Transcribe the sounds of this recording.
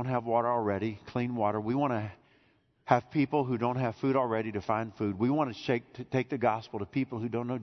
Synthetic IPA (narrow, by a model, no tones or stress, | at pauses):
ʊ̃n̚ɦəvwɔɾə˞l̩ˠɹɛɾikʰl̥ĩnwɔɾə˞wiwɑ̃ñɨ | ɨv̥pʰipl̩ˠɦʉdõʊ̃nt̚ɦɨv̥fʉɾl̩ˠɹɛɾiɾɨfãɪ̃nd̥fʉd̚wiwɑ̃nɨʃeɪk̚tʰɨtʰeɪk̚ðɨɡɑspl̩ˠtəpʰipl̩ˠhʉdõʊ̃nːoʊ